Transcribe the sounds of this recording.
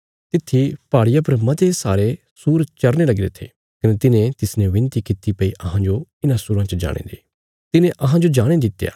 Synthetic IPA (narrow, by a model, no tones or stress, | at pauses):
t̪ɪt̪ʰːipaːɽɪjapɐɾmɐt̪esaːɾe | suːɾt͡ʃɐɾnelɐɡɪɾḛt̪ʰḛː | kɐnet̪ɪnẽt̪ɪsnɛ̃ʋɪ̃nt̪ikɪt̪ipɐiʔɐɦãd͡ʒoɪnãsuːɾãt͡ʃəd͡ʒa̰ːɽ̃ḛ̃ːd̪eː | t̪ɪnẽʔɐɦãd͡ʒod͡ʒaːɽ̃ẽd̪ɪt̪ːja̰ː